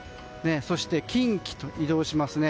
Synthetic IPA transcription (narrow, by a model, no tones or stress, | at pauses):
ne̞so̞ɕi̥t̪e̞kʲĩŋkʲi̥t̪o̞ʔid̪o̞ːɕimasɨne̞